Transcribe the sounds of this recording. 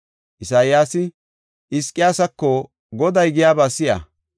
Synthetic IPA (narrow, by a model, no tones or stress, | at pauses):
ʔɪsaːjjaːsɪ | ʔɪskʼːɪjaːsɐkːɔ | ɡɔd̪ɐjɡɪjaːbaːsɪja̰